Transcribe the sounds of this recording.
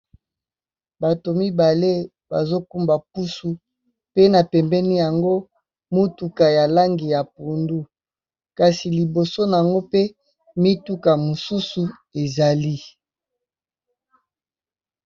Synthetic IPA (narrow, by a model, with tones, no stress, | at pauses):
ba˨to˨mi˦ba˨le˦ | ba̰˨zo˦ku˦mba˨k̚u˦su˨ | pe˦na˨pɛ˨mbɛ˦ni˦ja˨ŋɡo˦ | mo˦tu˨ka˨ja˨la˦ŋɡi˨ja˨pu˨ndu˦ | ka˨si˨li˨bo˨so˦na˨a˨ŋɡo˦pe˦ | mi˦tu˦ka˨mo˨su˦su˨ | e˨za˨li˦